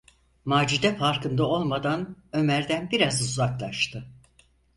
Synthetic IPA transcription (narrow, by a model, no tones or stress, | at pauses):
maːd͡ʒid̪ɛfaɾkɯnd̪ao̞lˠmad̪anø̞mæɾd̪ænbiɾazuzaklˠaʃt̪ʰɯ